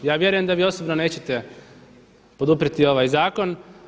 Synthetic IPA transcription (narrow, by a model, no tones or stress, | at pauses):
jaːʋje̞ɾuje̞md̪aʋiːo̞sobnone̞ːt͡ɕet̪e̞ | po̞d̪upɾit̪io̞ʋaːjzaːko̞n